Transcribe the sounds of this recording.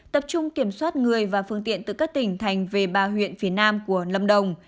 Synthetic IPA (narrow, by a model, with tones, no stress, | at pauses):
t̪ə˨˩p̚t͡ɕʊ˧ŋ͡mki˧˩əmswaː˦˥t̚ŋɨ˨˩əjvaː˨˩fɨ˧əŋt̪ḭ˧˨ənt̪ɨ̰˧˨˩kaː˦˥k̚t̪ï˧˩ŋ̟t̪ʰa˨˩jŋ̟ve˨˩ɓaː˧˩ɦwḭ˧˨ənfi˨˦ənaː˧mku˧˩ələ˧˩mɗə˨˩wŋ͡m